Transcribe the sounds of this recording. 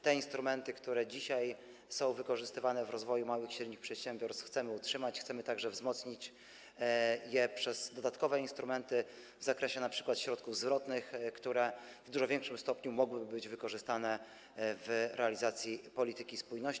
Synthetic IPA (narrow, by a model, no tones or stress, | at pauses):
t̪ɛinst̪ɾumɛnt̪ɘkt̪uɾɛd͡ʑiɕaj | sɔ̃w̃vɘkɔʐɘst̪ɘvanɛvɾɔzvɔjumawɘxɕɾɛd̪ɲixpʂɛt̪ɕɛmbʲjɔɾsxt̪sɛmɘutʂɘmat͡ɕxtsɛmɘt̪aɡʐɛvzmɔt̪sɲit͡ɕ | jɛpʂɛz̥d̪ɔd̪at̪kɔvɛinst̪ɾumɛnt̪ɘ | vzakɾɛɕɛnapʂɘ̥kwat̪ɕɾɔt̪kuvzvɾɔt̪nɘxkt̪uɾɛ | vd̪uʐɔvʲjɛŋkʂɘmst̪ɔpɲumɔɡwɘbɘbɘd͡ʑvɘkɔʐɘst̪anɛ | vɾʔɛalʲizat̪sʲjipɔlʲit̪ɘkʲispujnɔɕ